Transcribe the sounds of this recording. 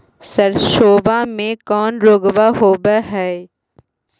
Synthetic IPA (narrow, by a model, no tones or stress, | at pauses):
sɐɾʃoːʋamẽkɔːnɾoːɡʋaɦoːbəɦɛː